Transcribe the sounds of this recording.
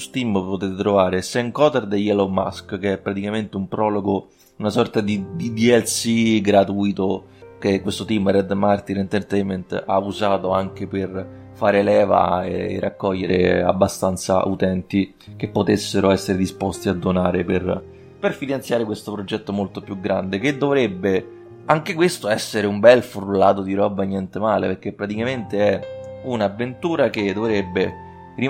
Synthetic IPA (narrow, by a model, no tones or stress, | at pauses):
st̪impot̪eːt̪et̪ɾovaːɾesɛŋkɔːt̪ɛrd̪ejɛloma̰skkeɛpːɾat̪ikament̪eumpɾɔːloɡo | unasɔrt̪ad̪id̪id̪iɛlsiɡɾat̪uːjt̪o | k̟ekːwest̪ot̪imrɛd̪mart̪inɛnt̪ert̪ɛjment̪auzaːt̪oaŋk̟eper | faːɾelɛːva̰ḛːrːakːɔʎːeɾḛa̰bːast̪ant̪sa̰ʔut̪ɛnt̪i | k̟epːot̪esːeɾoɛsːeɾed̪ispost̪iad̪ːonaːɾeper | perfinant̪sjaːɾekwest̪opɾod͡ʒɛt̪ːomolt̪opjuɡːɾand̪eked̪ːovɾebːe | aŋk̟ekwest̪oɛsːeɾeumbɛlfɾulːaːt̪̬od̪iɾɔbːaɲːɛnt̪emaːlepeɾk̟epːɾat̪ikament̪eɛunavːent̪uːɾaked̪ovɾebːe | ri